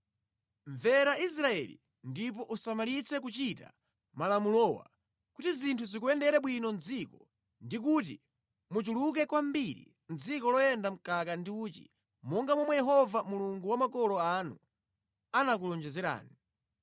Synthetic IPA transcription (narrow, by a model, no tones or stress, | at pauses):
ɱvɛɾais̬ɾaɛ̰lḭ | ndip̬ɔʔusamalit͡sʰɛk̬ut͡ʃita̰ | malamulɔwa̰ | kutizintʰuzikuɛndɛɾɛɓwinɔnd͡zikɔ | ndik̬ut̬ḭ | mut͡ʃuluk̬ɛkwambiɾḭ | n̩d͡zikɔlɔjɛndam̩kakandiuːtḭ | mɔŋɡamɔmwɛjɛɦɔvamuluŋɡuwamakɔlɔanṵ | anak̬ulɔnd͡ʒɛzɛɾa̰ːni